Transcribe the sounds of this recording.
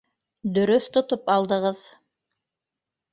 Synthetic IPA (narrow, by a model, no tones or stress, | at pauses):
d̪ɵ̆ɾɵθt̪ŏt̪opɑlˠd̪ɤ̆ʁɤð